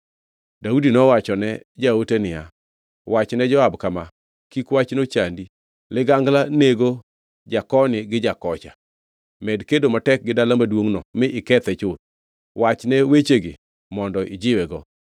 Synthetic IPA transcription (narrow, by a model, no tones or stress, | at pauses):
daudinɔwat͡ʃɔnɛd͡ʒaotenɪja̰ | wat͡ʃnɛd͡ʒɔabkama | kikwat͡ʃnot͡ʃandi | lɪɡaŋɡlaneɡo | d͡ʒakɔnɪɡɪd͡ʒakɔt͡ʃa | mɛdkedomatɛk̚ɡɪdalamadwoŋnɔmɪʔɪkɛt̪ɛt͡ʃʊt̚ | wat͡ʃnɛwet͡ʃeɡɪ̰ | mɔndɔʔɪd͡ʒɪwɛɡɔ